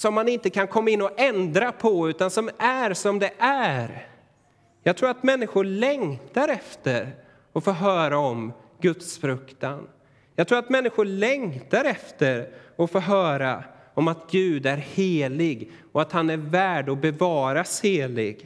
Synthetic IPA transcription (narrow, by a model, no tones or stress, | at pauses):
sɔmːanɪnt̪əkʰankʰɔmːaɪnːɔʔɛnd̪ɾapʰɔʉ̟ːt̪ansɔmæɾsɔmd̪ɛʔæɾ | jɑɡt̪ʰɾuːɾat̪mɛnːɪɧʊɭɛŋt̪aɾɛft̪əɾ | ɔfoːɾɦœːɾaɔm | ɡɵt̪sfɾɵkt̪an | jɑːɡt̪ɾuːɾat̪mɛnːɪɧʊɭɛŋt̪aɾɛft̪əɾɔfoːɾɦœːɾa | ɔmat̪ɡʉ̟ːd̪æɾheːlɪɡ | ɔat̪hanæɾvæːɖɔbɛvɑːɾasheːlɪ̰ɡ